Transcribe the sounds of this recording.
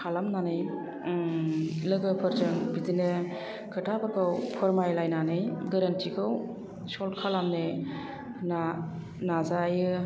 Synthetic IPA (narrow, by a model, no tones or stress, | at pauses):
kʰalamnanɯj | lɯɡɯpʰɯɾzɯŋbidinɯ | kʰɯtʰabɯkʰɯwpʰɯɾmajlajnanɯjɡɯɾantʰikʰɯw | sɔlkʰalamne | na | nazajɯ